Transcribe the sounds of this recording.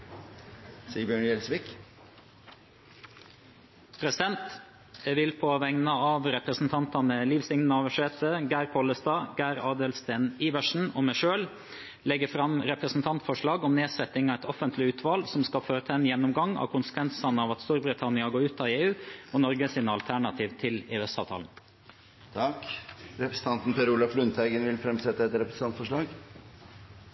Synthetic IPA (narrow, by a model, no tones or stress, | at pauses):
siːəbjœɳjɛlsʋɪk | pʰɾɛsɪd̪ɛnt̪ | ʋɪlpʰoːʋɛŋnəɑʋɾɛpɾəsn̩t̪ʰɑnt̪ɑnəliːʋsɪŋnənəɑʋəʂeːt̪ʰəɡæːɾkʰɔləst̪ɑːɡæːɾɑːd̪əlst̪æːniːʋəʂn̩ɔmæʂøːl | lɛɡəfɾɑmɾɛpɾəsn̩t̪ʰɑnt̪fɔʂɭɑːɡɔmneːsɛt̪ɪŋɑʋɛt̪ʰɔfənt̪ʰlɪʉːt̪ʰʋɑːlsɔmskɑføːɾət̪ʰæɪnjɛnːʊmɡɑŋːɑ̰ʋkʰʊnsə̥kʰʋɛnsɑnəɑʋɑt̪st̪uːɾbɾɪt̪ʰɑnɪɑɡoːɾʉːt̪ʰɑːʋeːʉːɔnɔɾɡəsɪnɑlt̪ʰæɳɑt̪ʰiːʋt̪ʰɪleːɛsɑːʋt̪ʰɑ̰ːln̩ | t̪ʰɑkɾɛpɾəsə̥n̩t̪ʰɑnt̪n̩pʰɛɾuːlɑflʉnt̪ʰæɪɡənʋɪlfɾɛmsɛt̪ːəɛt̪ɾɛpɾəsnɑnt̪fɔʂɭɑːɡ